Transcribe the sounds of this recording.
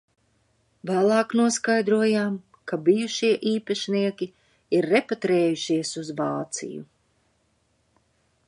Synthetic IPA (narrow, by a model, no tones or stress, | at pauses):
vaːlˠɑːknuɔskajd̪ɾuɔjaːm | kabijuʃiɛʔiːpaʃniɛkʲi | iɾːepat̪ɾɛːjuʃiɛsuzvɑːt̪sḭjṵ